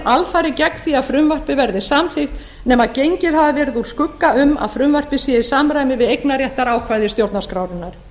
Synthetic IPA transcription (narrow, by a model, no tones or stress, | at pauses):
alfaːɾɪcɛkθiaðfɾʏmvar̥pɪvɛɾðɪsamθɪht̪ | nɛːmaðcejɲcɪðhavavɛːɾɪðu̥skʏkːaʏma̰ðfɾʏmvar̥pɪsjɛisaːmɾaːjmɪvɪðejknarjɛht̪aɾaːwkʰvaːjðɪst̪jowɾt̪naskɾaːwɾʏnːaɾ̥